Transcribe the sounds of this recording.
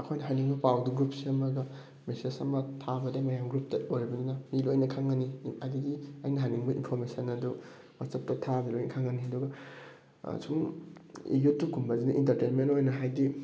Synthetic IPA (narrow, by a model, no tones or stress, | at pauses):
ɐkʰojnɐɦajniŋbɐpawduɡɾupsiɐmɐɡɐ | mesesɐmɐtʰabɐdemɐjamɡɾup̚tɐojɾibɐdinɐmilojnɐkʰaŋɡɐniɐdiɡia̰jnɐɦajniŋbɐʔḭnpʰoɾmesɐnɐdu | masɐp̚tɐtʰabilojnɐkʰaŋɡɐniɦɐduɡɐ̰ | sʰum | ḛjutːukʰumbɐzinuʔintɐɾtenmentojnɐɦajdi